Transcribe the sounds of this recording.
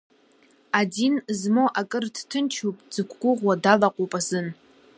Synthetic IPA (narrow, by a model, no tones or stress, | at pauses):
adinzmoʔakʼɨrdtʰɨnt͡ʃʰupʼd͡zɨkʷʰɡʷʊʁʷwadalaqʷʼopʼazɨn